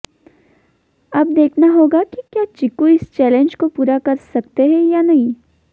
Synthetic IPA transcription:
ɐb̚d̪eːkʰnaɦoːɡakikjaːt͡ʃɪkuɪst͡ʃɛːlẽnd͡ʒkopuːɾakɐɾsɐk̚t̪eɦɛ̃janɐɦĩ

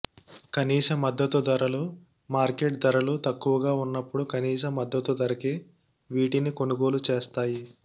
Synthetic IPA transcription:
kɐniːsɐmːɐd̪ːɐt̪ud̪ɐɾɐlu | maːɾkeʈd̪ɐɾɐlut̪ɐkːuʋɐɡaːunːɐpːuɽukɐniːs̬ɐmːɐd̪ːɐt̪ud̪ɐɾɐke | ʋiːʈiniko̞nuɡoːlut͡ʃeːst̪aːji

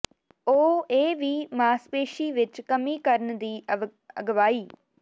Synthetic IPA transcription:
oːeːʋiːmaːspeːʃiːʋɪt͡ʃkəmiːkəɾnd̪iːə̰ɡʋaːiː

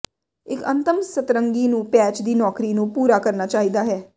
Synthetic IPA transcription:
ɪkə̃nt̪əmsət̪ɾəŋɡiːnũːpɛːt͡ʃd̪iːnɔːkɾiːnũːpuːɾaːkəɾnaːt͡ʃaːɦiːd̪aːɦɛː

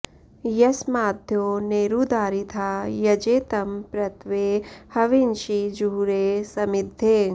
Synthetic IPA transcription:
jɐsmaːd̪ʱjoːneːɾud̪aːɾit̪ʰaːjɐd͡ʒeːt̪ɐmpɾɐt̪ʋeːhɐʋinʃid͡ʒuːɾeːsɐmid̪ʱːeː

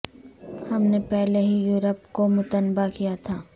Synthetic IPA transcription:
hɐmnepɛɦleɦijuːɾəpkomʊt̪ənbakijat̪ʰaː

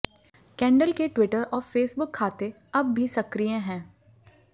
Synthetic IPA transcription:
kɛ̃ːɳɖəlkeʈwɪʈəɾɔːɾfeːsbʊkʰːaːt̪e | ɐbːʱisɐkɾijẽɦɛ̃ː

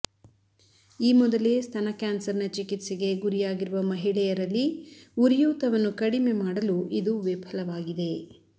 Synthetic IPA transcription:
iːmɔd̪ɐlest̪ʰɐnɐkaːnsɐɾnɐt͡ʃikit̪siɡe̞ɡuɾijaːɡiɾuʋɐmɐɦiɭɛjɐɾɐlːiuɾjuːt̪ɐʋɐnːukɐɽime̞maːɽɐluʔid̪uʋepʰɐlɐʋaːɡid̪e̞

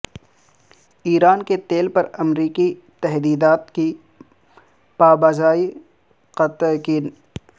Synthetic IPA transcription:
iːɾaːnket̪eːlpɐɾɐmɾiːki | t̪ɛɦd̪iːd̪aːt̪ki | paːbaːzaːi | qɐt̪ki

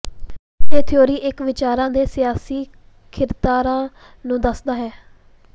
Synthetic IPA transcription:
t̪eːt̪ʰɪjoːɾiːʔɪkʋɪt͡ʃaːɾãːd̪eːsɪjaːsiː | kʰɪɾt̪aːɾãː | nũːd̪əsd̪aːɦɛː

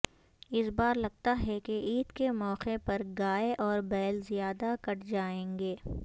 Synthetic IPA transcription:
ɪsbaːɾlɐɡ̚t̪aɦɛkeʔiːd̪kemɔːqepɐɾɡaːeʔɔːɾbɛːlzijaːd̪akɐʈd͡ʒaːẽːŋɡeː

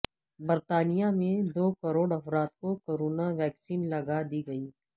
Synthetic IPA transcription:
bɐɾt̪aːnijamẽd̪oːkɐɾoːɽɐfɾaːt̪kokoːɾoːnaʋɛːksiːnlɐɡad̪iɡɐiː

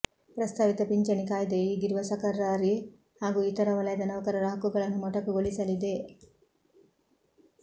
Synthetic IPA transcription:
pɾɐst̪ʰaːʋit̪ɐpiɲt͡ʃɐnikaːjɐd̪eiːɡiɾuʋɐsɐkɐɾaːɾi | haːɡuit̪ɐɾɐʋɐlɐjɐd̪ɐnɐʋɐkɐɾɐɾɐɦɐkuɡɐɭɐnːumɔʈɐkːuɡoɭisɐlid̪e

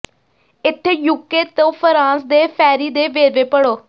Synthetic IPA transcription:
ɪt̪ʰːeːjuːkeːt̪õːpʰəɾãːsd̪eːpʰɛːɾiːd̪eːʋeːɾʋeːpəɽoː

